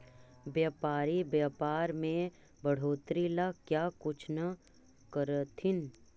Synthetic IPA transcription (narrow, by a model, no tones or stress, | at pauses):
bjaːpaːɾibjaːpaːɾmẽ | bɐɽ̤oːt̪ɾilakjaːkʊt͡ʃʰna | kəɾət̪ʰɪn